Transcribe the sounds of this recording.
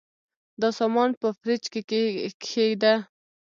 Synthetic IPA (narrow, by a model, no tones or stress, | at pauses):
d̪əsɑmɑnpəfɾɪt͡ʃkekʰed̪e